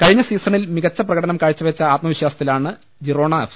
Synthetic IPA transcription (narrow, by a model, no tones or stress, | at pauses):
kɐɻiɲːɐsiːsɐɳilmiɣɐt͡ɕːɐprɐɣɐɽɐnɐmkaːɻit͡ɕːɐʋet͡ɕːɐaːt̪̚mɐʋiɕjaːsɐt̪ːilaːɳɨ | d͡ʑiro̞ːɳaːfs